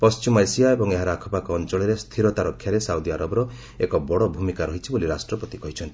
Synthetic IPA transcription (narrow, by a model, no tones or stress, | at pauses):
pɔst͡ʃimɔajsiaebɔŋeɦaɾakʰɔpakɔɔnt͡ʃɔɭiɾest̪ʰiɾɔt̪aɾɔkʰːjaɾesawd̪iaɾɔbɔɾɔ | ekɔbɔɽɔbʱumikaɾɔɦit͡ʃʰiboliɾasʈɾɔpɔt̪ikɔɦit͡ʃʰɔnt̪i